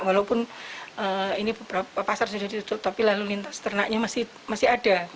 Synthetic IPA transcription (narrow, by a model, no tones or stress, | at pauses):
walaupʊnəːinibəb̥ɾapapasarsudahdit̪ut̪ʊlt̪apilalulint̪ḁst̪ərnaʔɲamasɪ | masɪɦada